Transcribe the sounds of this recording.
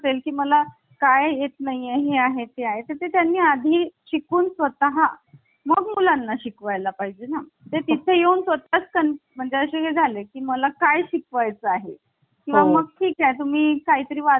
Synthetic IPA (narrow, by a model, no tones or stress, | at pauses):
t̪elkiːməla | kajjet̪naijeɦeaɦet̪eaɦet̪əɾt̪et̪janːiːad̪ʱiːɕikuːnsʋət̪əɦa | məɡmulanːaɕikʋajlapaɦid͡ʑena | t̪et̪it̪ʰejeunsʋət̪at͡skənm̤əɳd͡zeəɕeɦed͡zʱalekiːməlakajɕikʋajt͡səaɦe | kĩʋaməɡ̚ʈʰiːkajt̪um̤iːkaɦiːt̪əɾiːʋa